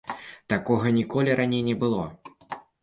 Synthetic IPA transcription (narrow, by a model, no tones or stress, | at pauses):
t̪akɔɣɐnʲikɔlʲiɾʔanʲejnʲɛbɨlˠɔ